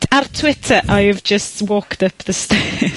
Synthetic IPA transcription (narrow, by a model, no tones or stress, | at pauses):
artʰw̥ɪtʰəʔaɪvd͡ʒəstwɔːktʌpðəstɛ